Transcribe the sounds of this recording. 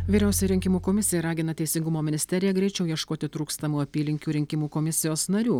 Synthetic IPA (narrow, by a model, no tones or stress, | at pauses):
ʋʲiːɾʲɛˑʊsʲɛjɾʲɪŋʲkʲɪmuːkoːmʲɪsʲɪjɛɾɑːɡʲɪnɐt̪ʲɛɪsʲɪŋɡʊmoːmʲɪnʲɪsʲt̪ʲɛɾʲɪjɛɡɾʲɛɪt͡ʃʲɛʊjiɛʃkoːt̪ʲɪt̪ɾuːkst̪ɐmuːɐpʲiːlʲɪŋʲkʲuːɾʲɪŋʲkʲɪmuːkoːmʲɪsʲɪjoːsnɐɾʲuː